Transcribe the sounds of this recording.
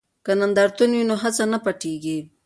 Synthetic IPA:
kanand̪aɾt̪unwinoɦat͡sanapɐʈiɡi

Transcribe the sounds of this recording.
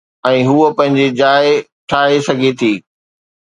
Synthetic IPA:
ɛ̃ːɦuəpɐ̃ɦɪ̃ɲd͡ʑed͡ʑaːɪ | ʈʰaːɦesɐɡʱet̪ʰiː

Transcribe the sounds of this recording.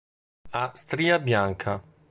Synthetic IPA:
ast̪ɾiːabjaŋkʰa

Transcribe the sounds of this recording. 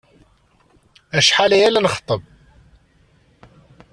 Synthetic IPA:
æʃħalæjælænəχt̪ˤəb̚

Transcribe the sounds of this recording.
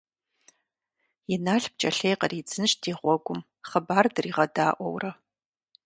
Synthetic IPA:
jɪnaːɬb̚t͡ʃʼɐɬejqərid͡zɨnɨʃdiːʁʷɔɡʷʊm | χɐbaːrdɨriːʁɐdaːʔʷɔ̰wrɐ

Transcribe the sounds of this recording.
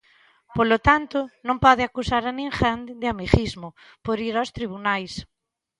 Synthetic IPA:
polot̪ant̪ʊnõmpɔðɪakusaɾanĩŋxand̪d̪ɪamiɣizmʊ | poɾiɾawst̪ɾiβ̞unajs

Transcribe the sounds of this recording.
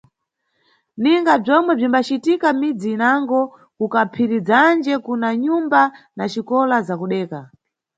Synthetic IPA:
niŋɡab͡ʐɔmwɛb͡ʐimbat͡ʃitikamid͡ziːnaŋɡɔ | kukapʰiɾid͡zand͡ʒɛkunaɲumba | nat͡ʃikɔlazakuɗɛːka

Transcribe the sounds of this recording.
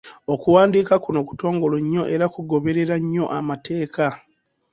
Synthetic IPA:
o̞kuwaːndiːkakuno̞ku̥to̞ːŋɡo̞loɲːo̞ʔe̞ɾakuɡo̞βe̞ɾe̞ɾaɲːo̞ʔamatʰe̞ːkʰa

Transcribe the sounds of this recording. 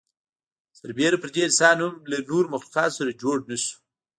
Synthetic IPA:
saɾbeɾapəɾd̪eɪnsɑnhʊmlanoɾmaxluqɑt̪saɾad͡ʒoɽnasu̥

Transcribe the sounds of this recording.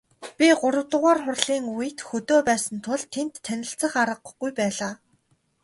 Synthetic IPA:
pʲiɢʊɾə̆wt̪ə̆ʁaːrχʊrɮiːŋujɘ̆t̪xɵt̪oːpæːsə̆nt̪ʰʊɮt̪ʰːent̪ʰːænʲɪ̆ɬt͡sə̆χaɾə̆q̆ɡujpæːɮaː

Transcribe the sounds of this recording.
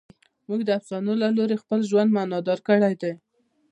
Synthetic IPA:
muɡd̪əafsɑnolaloɾexpəlʒwand̪manɑd̪ɑɾkəɽajd̪e

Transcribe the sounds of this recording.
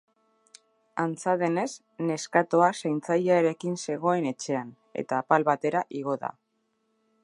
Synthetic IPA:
ant͡saðe̞ne̞s | ne̞skat̪o̞asajnt͡sajaeɾe̞kinse̞ɣ̞o̞e̞ne̞t͡ʃe̞an | e̞̰t̪aːpalβat̪e̞ɾaʔiɣ̞o̞ða̰

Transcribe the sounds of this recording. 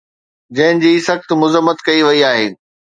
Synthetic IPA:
d͡ʑɐ̃ɦɪnɪ̆d͡ʑiːsɐxt̪̆mʊzəmːət̪kɐiʋɐiaːɦeː

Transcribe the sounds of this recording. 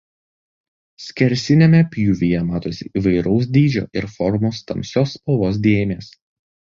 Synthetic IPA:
sʲkʲɛɾʲsʲɪnʲemʲɛpʲjuːʋʲijɛmɑːt̪oːsʲɪʔiːʋɐɪɾɒʊs̬d̪ʲiːd͡ʒʲo̰ːʔɪɾfɔɾmoːst̪ɐ̰mʲsʲoːspɔʋˠoːs̬d̪ʲeːjmʲeːs

